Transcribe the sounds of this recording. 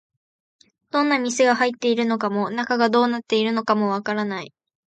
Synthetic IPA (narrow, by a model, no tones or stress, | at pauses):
d̪̥õ̞nːamʲisɨɡahait̪ːe̞iɾɯ̟no̞kamo̞nakaɡad̪o̞ːnat̪ːe̞iɾɯ̟no̞kamo̞βakaɾanai